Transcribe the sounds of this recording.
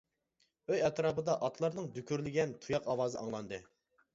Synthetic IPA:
øjɛt̪ɾɑːbɨd̪ɑʔɑt̪ʰlˠɑɾnɨŋd̪ykʲʰyɾlɪɡʲɛnt̪ʰujɑqɑwɑːzɨʔɑŋlˠɑnd̪ɨ

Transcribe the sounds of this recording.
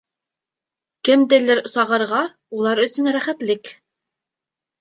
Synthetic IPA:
kɘ̆md̪ɘ̆lɘɾsɑʁɤ̆ɾʁɑ | ulˠɑɾɵ̆sɵnɾæχæt̪lɘk

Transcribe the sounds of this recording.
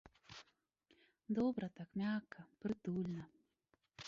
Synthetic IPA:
d̪ɔbɾɐt̪akmʲakʰːɐpɾɨt̪ulʲnɐ

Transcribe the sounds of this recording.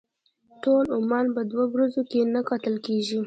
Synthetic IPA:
ʈolʊmɑnpəd̪wawɾazokenakɑt̪əlkeʒi

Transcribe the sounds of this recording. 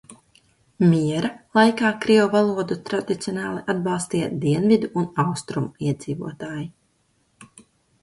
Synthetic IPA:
mʲiɛɾalˠajkaːkɾiɔvalˠuɔd̪ut̪ɾad̪it̪sʲiɔnɑːlˠiʔad̪bɑlˠst̪iːd̪iɛnvid̪uunawst̪ɾumuiɛd̪z̥iːvṵɔt̪aːji

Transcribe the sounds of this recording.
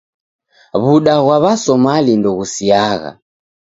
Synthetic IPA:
βuɗaɣwaβasɔmalindɔɣusiaɣa̰

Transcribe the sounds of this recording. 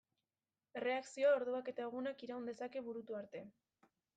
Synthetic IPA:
e̞re̞aksio̞ao̞ɾðuake̞t̪ae̞ɣ̞unakiɾaund̪e̞sake̞βuɾut̪uaɾt̪e̞

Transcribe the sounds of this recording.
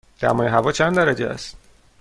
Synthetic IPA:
d̪̥æ̰mɒːjeɦævɒːt͡ʃʰænd̪æɾæd͡ʒeæ̰st̪

